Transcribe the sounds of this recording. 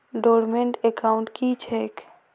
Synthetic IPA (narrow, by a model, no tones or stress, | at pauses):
ɖoːɾmeɳʈekaʊ̃ɳʈkit͡ʃʰeːk